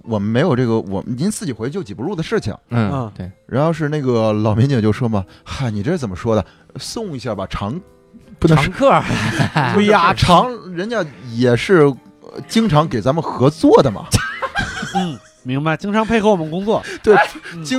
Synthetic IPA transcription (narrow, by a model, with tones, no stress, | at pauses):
wɔ˨˩mə˦nme˧˥ɪjo˨˩ʊʈ͡ʂɤ˥˩ɡə˩wɔ̰˨˩mə˦ni˧˥t͡sɹ̩˥˩t͡ɕi˨˩xwe˧˥ɪ˥t͡ɕjo˥˩ʊt͡ɕi˨˩pu˧˥lu˥˩d̪ə˩ʂɻ̩˥˩t͡ɕʰḭ˩ŋ̩˥˧˥ɻa˧˥nxo˥˧ʊʂ̬ɻ̩˥˧na˥˩ɡə˩lɑ˨˩ʊmjɛ˧˥nt͡ɕŋt͡ɕjo˥˩ʊʂwɔ˥mɐ˨xa˥˩ni˨˩ʈ͡ʂʂɻ̩˥˩t͡sə˨˩mə˦ʂwɔ˥d̪ə˨˩ | sʊ˥˩ŋi˧˥ɕja˥˩ba˨˩ʈ͡ʂʰɑ˧˥ŋ | pu˥nɤ˧˥˧ŋ˥kʰɤ˥˩˧ | a˥˩ʈ͡ʂʰɑ˧˥ŋɻə˧˥nt͡ɕja˥jɛ˨˩ʂɻ̩˥˩ | t͡ɕi˥ŋʈ͡ʂʰɑ˧˥ŋke˨˩ɪt͡sa˧˥mə˧nxɤ˧˥t͡swɔ˥˩d̪ə˩mɐ̰˩ | n̩˥˩ | mi˧˥ŋba˧ɪt͡ɕi˥ŋʈ͡ʂʰɑ˧˥ŋpʰe˥˧ɪxɤ˥˩ʊwɔ˨˩m˦n˥kʊ˥ŋt͡swɔ˥˩t̪we˥˩ɪt͡ɕi˥